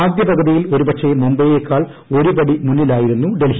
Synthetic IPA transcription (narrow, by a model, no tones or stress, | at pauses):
aːd̪jɐbɐɣɐðijilo̞ɾubɐtʂʰɐmumbɐjjekːaːɭ | o̞ɾubɐɽimunːilaːjiɾunːuɖel